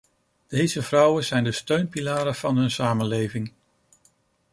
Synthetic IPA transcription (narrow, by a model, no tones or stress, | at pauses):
d̥ejzəvrʌwəzɛjndəstøɥnpilaːɾəv̥ɑnɦɵnsaːmənlejvɪŋ